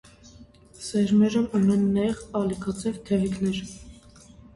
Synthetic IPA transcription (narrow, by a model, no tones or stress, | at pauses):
sɛɾmɛɾəmunɛnːɑjɛʁɑlikʰɑt͡sʰɛvt̪ʰɛvikʰnɛɾ